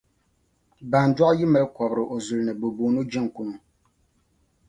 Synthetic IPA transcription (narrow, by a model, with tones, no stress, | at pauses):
ba˨n˨dɔ˦ʔji˦mɛ˨lkɔ˨bɾɨ˨ʔo˨zu˨lnɨ˨bo˨boː˨no˦d͡ʒɛ˦˨ŋ˨ku˦nu˨